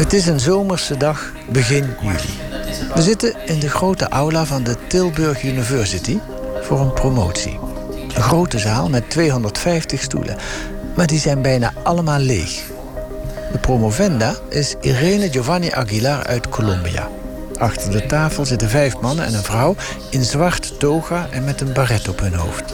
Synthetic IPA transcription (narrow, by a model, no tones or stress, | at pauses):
ətɪs̬ənzowməɹsədɑχ | bəɣɪnjy̰lḭ | ʋəzɪtəɪndəɣrowtəʔɑwlavɑndətɪlˠbɵɹχynivɛɹsiti | v̥ʊːɹənpromowtsḭ | dəxrowtəzaːlˠmɛtʋejɦɔndəɹtfɛjftəχstṵlʔə̰ | maːɹdizɛjnbɛjna̰ːʔɑləmaːlˠːḛjx | d̥əpromovɛndaːʔɪsḭreːnəjowvaniʔɑ̰ɡilaɹœ̰ɥtkʰolɔmbija̰ | ʔɑxtəɹdətaːfəlˠzɪtənvɛjfmɑnənɛ̰nənvrʌw | ɪnzʋɑɹtdowɣaʔɛnmɛtənbarɛtɔpɦɵnɦo̰wft